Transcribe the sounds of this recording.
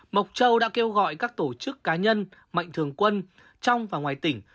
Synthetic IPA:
mə˨˩wk͡p̚t͡ɕə˧wɗa̰ː˧˥ke˧wɣɔ̰˧˨jkaː˦˥k̚t̪o˧˩t͡ɕɨ˦˥kːaː˨˦ɲə˧n | ma̰˧˨jŋ̟t̪ʰɨ˨˩əŋkwə˧n | t͡ɕɔ˧wŋ͡mvaː˨˩ŋwaː˨˩jt̪ï˧˩ŋ̟

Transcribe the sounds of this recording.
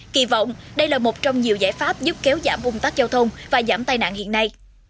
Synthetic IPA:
kḭ˧˩vɔ̰˧˨wŋ͡mɗə˧jlaː˨˩mo˨˩t̚t͡ɕɔ˧wŋ͡mɲi˨˩əwzaː˧˩jfaː˦˥p̚zɨ˦˥p̚kɛ˨˦wzaː˧˩mvʊ˨˩ŋ͡mt̪aː˦˥k̚zaː˧wt̪ʰə˧wŋ͡mvaː˨˩zaː˧˩mt̪aː˧jna̰ː˧˨nhḭ˧˨ənːa˧j

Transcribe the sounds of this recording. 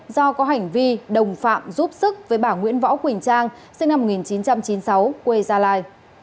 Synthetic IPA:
zɔ˧kɔ˨˦ɦa˨˩jŋ̟vi˧ɗə˨˩wŋ͡mfa̰ː˧˨mzu˦˥p̚sɨ˦˥k̚vəː˨˦jɓaː˧˩ŋwḭ˧˥ənvɔ̰˧˥wkwï˨˩ŋ̟t͡ɕaː˧ŋ | sɨ˧ŋna˧m̚ː˨˩ŋi˨˩nt͡ɕi˨˦nt͡ɕa˧mt͡ɕi˨˦nsa˨˦wkwe˧zaː˧laː˧j

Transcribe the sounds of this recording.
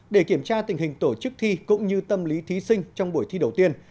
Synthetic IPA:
ɗe˧˩ki˧˩əmt͡ɕaː˧t̪ï˨˩ŋ̟ɦï˨˩ŋ̟t̪o˧˩t͡ɕɨ˦˥k̚t̪ʰi˧kʊ̰˧˥ŋ͡mɲɨ˧t̪ə˧mli˨˦t̪ʰi˨˦sï˧ŋ̟t͡ɕɔ˧wŋ͡mɓu˧˩əjt̪ʰi˧ɗə˨˩wt̪i˧ən

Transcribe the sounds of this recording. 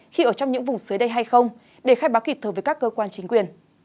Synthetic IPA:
xi˧ʔəː˧˩t͡ɕɔ˧wŋ͡mɲɨ̰˧˥ŋvʊ˨˩ŋ͡msɨ˨˦jɗə˧jɦa˧jxə˧wŋ͡m | ɗe˧˩xaː˧jɓaː˨˦wki˨˩t̪ʰəː˧˩əː˨˦jkaː˦˥kːəː˧kwaː˧nt͡ɕï˨˦ŋ̟kwi˨˩ən

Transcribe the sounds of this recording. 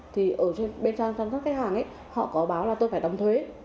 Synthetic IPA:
t̪ʰi˨˩ʔəː˧˩t͡ɕe˧nɓe˧nt͡ɕaː˧ŋt͡ɕaː˧nt̪a˦˥kaː˨˦jhaː˨˩ŋʔə̰˨˦j | hɔ̰˧˨kɔ˨˦ɓaː˨˦wlaː˨˩t̪o˧jfaː˧˩jɗə˨˩wŋ͡mt̪ʰwe˨˦

